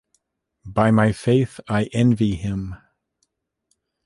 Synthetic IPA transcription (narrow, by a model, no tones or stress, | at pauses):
baɪmaɪfeɪθaɪʔɛ̃nviɪ̃m